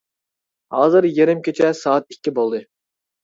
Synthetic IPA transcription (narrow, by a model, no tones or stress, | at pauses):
hɑːzɨɾjeɾɪmkʲʰet͡ʃʰɛsɑːɑt̪̚ikʲʰːibolˠd̪ɨ